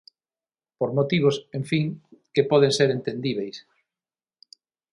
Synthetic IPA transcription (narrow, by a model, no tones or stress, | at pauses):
poɾmot̪iβosẽɱfiŋkepɔðeŋseɾent̪end̪iβejs